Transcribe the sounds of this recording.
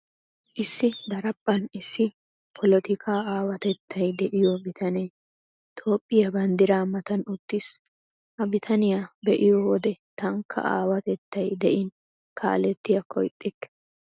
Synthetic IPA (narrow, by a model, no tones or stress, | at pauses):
ʔɪsːɪd̪ɐɾɐpʼːɐnɪsːɪ | pʰɔlɔt̪ɪkʰaːaːwɐt̪ɛt̪ʰːɐjd̪ɛʔɪjɔbɪt̪ʰɐneː | t̪ʰo̞ːpʼːɪjɐbɐnd̪ɪɾaːmɐt̪ɐnʊt̪ːɪs | ʔɐbɪt̪ʰɐnɪjabɛʔɪjɔwɔd̪ɛt̪ɐŋkʰːɐ̰ʔa̰ːwɐt̪ɛt̪ːɐjd̪ɛʔɪn | kʰa̰ːlɛt̪ːɪjɐkʰɔ̰jt̪ʼːɪdɐ̥